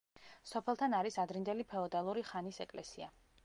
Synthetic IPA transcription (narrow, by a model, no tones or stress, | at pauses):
sɔpʰɛlˠt̪ʰanaɾisad̪ɾind̪ɛlipʰɛɔd̪alˠuɾiχanisɛkʼlɛsia